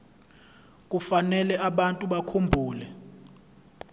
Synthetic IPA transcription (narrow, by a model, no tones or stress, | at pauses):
k̬ʼufanɛlɛaɓantʼuɓakʰumbʱuːlɛ